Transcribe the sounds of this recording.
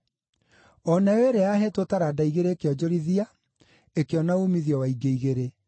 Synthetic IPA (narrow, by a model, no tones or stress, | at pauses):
ɔnaweɾeaɦetotaɾaːdaiɣeɾeːkeɔd͡ʑoɾiðia | ekeɔnaumiðiɔwaiɡeiɣeɾe